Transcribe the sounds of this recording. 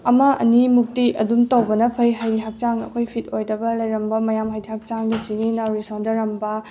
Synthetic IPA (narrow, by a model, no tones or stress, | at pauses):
ɐmɐʔɐ̰nimuk̚tiʔɐ̰dumtɐwbɐnɐpʰɐjɦɐjiɦak̚t͡ʃaŋɐ̰kʰojpʰit̚ojdɐbɐlɐjɾɐmbɐmɐjamhajdihak̚t͡ʃaŋdɐsiɡinɐɾisondɐɾɐmbɐ